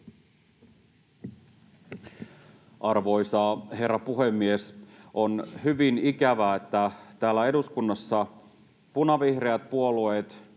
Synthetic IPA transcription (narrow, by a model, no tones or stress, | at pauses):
ʔɑrʋo̞isɑːɦe̞rːɑpuɦemːiesʔonhyʋinikæʋæet̪ːæt̪æːlːæe̞duskunːɑsːɑ | punɑʋihreæt̪̚puo̞lueːt̪